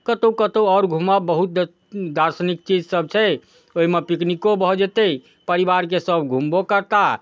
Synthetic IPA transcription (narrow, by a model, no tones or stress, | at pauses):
kət̪okət̪oɔːɾɡʱumabəɦut̪̚ | d̪aɾsənik̚t͡ʃid͡ʒsəb̚t͡ʃʰɛ | oɦimepiknikobʱɔd͡ʒet̪e | pəɾibaɾkesəbʱɡʱumbokəɾt̪a